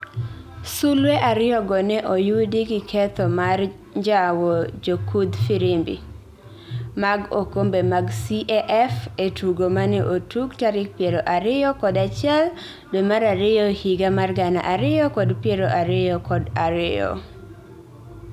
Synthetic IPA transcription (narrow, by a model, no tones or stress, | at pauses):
sulweʔaɾɪjɔɡɔnɛʔojudiɡɪkʰɛt̪ɔmar | ɲd͡ʒawɔd͡ʒokud̪fiɾɪmbḭ | maɡo̰kombemaɡsiʔɛʔɛfetuɡomaneʔotuɡtaɾɪk̚pjeɾoʔaɾɪjɔkɔdat͡ʃɪɛl | domaɾaɾɪjɔhiɡamarɡana̰ʔaɾɪjɔkɔdpjeɾoʔaɾɪɔkɔdaɾɪjɔ̰